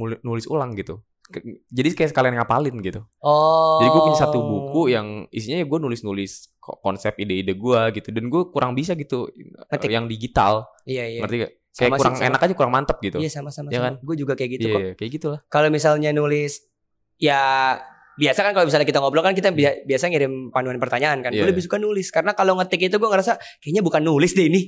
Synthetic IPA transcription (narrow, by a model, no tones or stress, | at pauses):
nulnulɪsṵlaŋɡit̪u | d͡ʒadiskajaʔsə̥kalianŋapalɪnɡit̪u | ɔd͡ʒadiɡuapuɲasat̪ubukujaŋisiɲajaɡuanulɪsnulɪs | kɔnsɛp̚ideidaɡuaɡit̪udanɡuakuɾʔaŋbis̬aɡit̪ujaŋdiɡit̪a̰lijaiərt̪ia | skajamakuɾɾaŋḛnakad͡ʒakuɾaŋmant̪əp̚ɡit̪ujasamasamajakaɡuad͡ʒuɡakajakɡit̪ukakajaɡit̪ulahkalomisalɲanulɪs | ja | biasakankalobis̬aɲakit̪aŋoblokankit̪abiabiasaŋiɾɪmpanuanpərt̪aɲaʔːnkanɡulabisbukanulɪskaɾənakaloŋət̪ɪkit̪uɡuaŋəɾasa | kajaɲabukanːulɪsdainɪ